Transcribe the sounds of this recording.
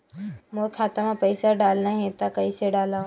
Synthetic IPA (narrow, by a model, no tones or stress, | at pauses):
moɾkʰaːt̪amãpəɪsaɖaːlnaɦẽt̪akɐiseɖaːla